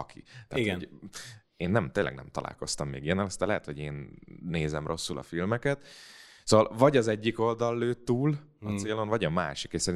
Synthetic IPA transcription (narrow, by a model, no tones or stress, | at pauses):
ɒkʰḭt̪ɛ̰aːtɡo | eːnːɛmt̪eːnlɛ̰ɡnɛmt̪ɒlʔa̰ːlko̞st̪ɒmːḛːɡijɛnɛlɛst̪ɛlɛɦɛt̪ho̞ɟeːnːeːzɛmrʔo̞sːulʔɒ̰filmɛkɛt̪soːʋvɒlvɒɟɒzɛɟːiko̞ld̪ɒlːøːt̪ːuːl | ɒt̪seːlo̞nvɒɟɒma̰ːʃikeʃsɛɾin